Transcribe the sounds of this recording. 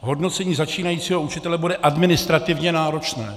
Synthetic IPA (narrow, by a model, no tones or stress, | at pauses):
ɦo̞dno̞t͡sɛɲiːzat͡ʃiːnajiːt͡siːɦout͡ʃɪt̪ɛlɛbudɛʔadmɪnɪst̪ɾat̪ɪvɲɛnaːɾo̞t͡ʃnɛː